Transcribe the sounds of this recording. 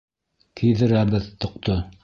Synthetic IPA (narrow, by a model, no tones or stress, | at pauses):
kʰijðɘ̆ɾæbɘðt̪ŏq̚t̪o